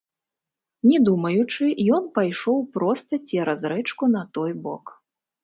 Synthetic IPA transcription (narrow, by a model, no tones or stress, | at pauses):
nʲɛd̪umɐjut͡ʂɨjɔnpajʂɔwpɾɔst̪ɐt͡sʲɛɾɐzɾɛt͡ʂkunɐt̪ɔjbɔ̰k